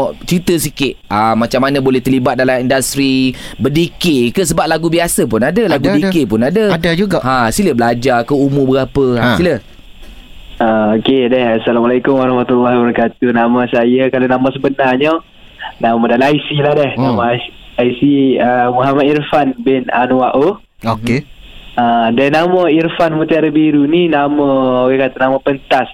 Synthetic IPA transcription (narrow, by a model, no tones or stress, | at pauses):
t͡ʃɾit̪əsikɪʔ̚amat͡ʃamːanabolɛht̪ərlibat̪̚dalamindast̪ɾibədikekəs̬əbap̚laɡubiasəp̬ʊnadəlaɡudikepʊnadəadad͡ʒuɡahãsiləbəlad͡ʒakəumʊbəɡapəasilə | aokedɛhasalamalajkʊmwaɾɑhmat̪ulːaɦbəɾəkat̪unamasajakalonamãsəbənaɲə | namɔdanajsiladɛhnamaaaisiəmuɦamad̪irfanbɪna̰nuwaʔo | oke | adɛnamɔirfanmut̪aaɾəbiɾuninamɔoɡekat̪anaməpənt̪as